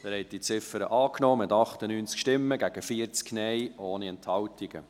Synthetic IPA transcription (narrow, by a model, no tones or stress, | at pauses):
æɾhɛt̪̚d̥it͡sɪfəɾə̰ʔɑːknɔːmɪt̪ɑχtənyːnt͡skʃtɪmːəɡæɡ̥əfiəɾt͡sknɛjoːniɛnthɑwtiɡ̥ə̰